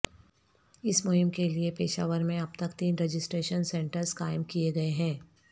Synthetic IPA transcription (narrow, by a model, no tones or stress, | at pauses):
ɪsmʊɦɪmkeliepeːʃa̰ːʋəɾmẽɐb̚t̪ɐkt̪iːnɾed͡ʒɪsʈɾeːʃənsɛ̃ːɳʈəɾskaːɪmkieɡɐeɦɛ̃ː